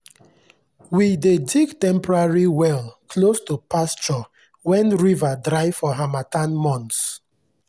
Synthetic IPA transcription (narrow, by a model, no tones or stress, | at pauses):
widediɡtɛ̃mpɔɹaɹiwɛlkʰlostupast͡ʃɔ | wɛ̃nɹivadɾaɪfɔɦamatãnmɔ̃nts